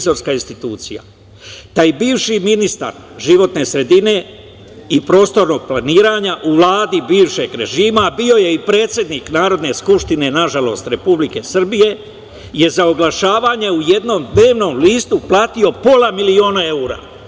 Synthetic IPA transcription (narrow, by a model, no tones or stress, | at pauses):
zo̞ɾskaːinst̪it̪uːt̪sḭja̰ | t̪aːjbiːʋʃiminist̪a̰ɾ | ʒiʋo̞t̪ne̞sɾe̞d̪ine̞ | ipɾo̞ːst̪o̞ɾno̞ːɡ̚plˠaniːɾaːɲaʔuʋlˠaːd̪ibiːʋʃe̞ɡɾe̞ʒiːmaːbio̞je̞ipɾe̞ːt̪sje̞d̪niːknaːɾo̞d̪ne̞skupʃt̪ine̞naʒalo̞̰st̪ɾe̞publike̞sr̩bije̞ | je̞zaoɡlaʃaːʋaːɲe̞ujed̪no̞ːmd̪ne̞ːʋno̞ːmliːst̪uplˠaːt̪io̞po̞lˠamilio̞ːnae̞uːɾa̰ː